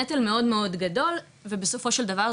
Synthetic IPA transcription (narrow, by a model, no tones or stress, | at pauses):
ɛtalme̞o̞dme̞o̞dɡado̞l | vebeso̞fo̞ʃe̞ldava